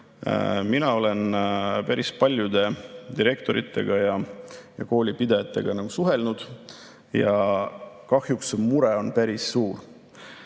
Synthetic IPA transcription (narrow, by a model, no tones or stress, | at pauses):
minɑo̞le̞npæɾʔispɑlʲjud̪̥e̞d̪̥iɾe̞kt̪o̞ɾḭt̪ːˑe̞̰ɡ̥ɑjɑjɑ̰ko̞ːlʲipid̪ejɑt̪ːˑe̞ɡ̥ɑnɑɡ̥usuɦe̞lnud̪̥ | jɑ | kɑhjuksmuɾe̞o̞npæɾisːuːr